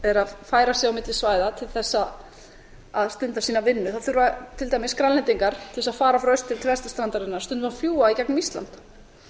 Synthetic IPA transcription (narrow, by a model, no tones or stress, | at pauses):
ɛɾaðfaːjɾasjɛawmɪt̪lɪsvaːjðat̪ʰɪlθɛsːa | aðst̪ʏnt̪asiːnavɪnːʏθaθʏɾvat̪ʰɪlt̪aːjmɪskɾalːɛnt̪iŋkaɾ̥t̪ʰɪɛsaðfaːɾafɾœɥst̪ʰːɪlt̪ʰvɛst̪ḁst̪ɾant̪aɾðɪnːaɾ̥t̪ʏnt̪ʏmafjuːaicɛknmist̪la̰nt̪